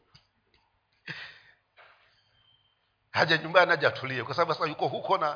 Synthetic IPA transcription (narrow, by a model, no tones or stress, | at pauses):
had͡ʒaɲumbaniad͡ʒatʰuliɛkwasaaɓuasajukɔɦukɔna